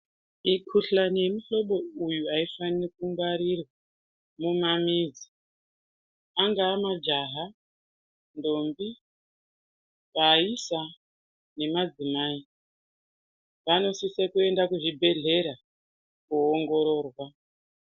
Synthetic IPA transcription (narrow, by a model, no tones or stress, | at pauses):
ikʰuɬanemuɬo̞ɓo̞ujuaifanirkuŋɡwaɾirwa | mumamiːd͡zi | aŋɡaːmad͡ʒaɦa | ndo̞mbi | paisa | ne̞mad͡zimaːi | ʋano̞sisekue̞ndakuʐibʱe̞ɮe̞ɾa | kuoŋɡo̞ɾo̞ːrwa